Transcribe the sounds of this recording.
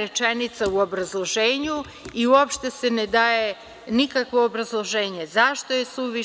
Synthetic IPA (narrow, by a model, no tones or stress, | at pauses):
ɾet͡ʃenit̪sauo̞bɾazlˠo̞ʒeːɲu | iuopʃt̪e̞se̞ned̪aːje | nikakʋo̞ːbɾazlˠo̞ʒe̞ːɲe̞zaʃt̪o̞jesuʋi